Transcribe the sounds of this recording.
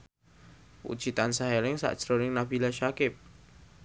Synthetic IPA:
pṵt͡ʃit̪ansaɦelɪŋsa̰ʔt͡ʃɾoɾɪŋnabilaʃakɪp̚

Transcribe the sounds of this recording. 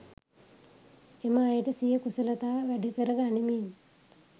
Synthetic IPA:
emaːjəʈəsijəkusɐlɐt̪aːʋæɖikəɾəɡanimin

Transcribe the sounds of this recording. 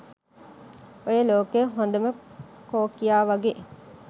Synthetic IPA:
ojəloːkejɦond̪əməkoːkijaːʋaɡeː

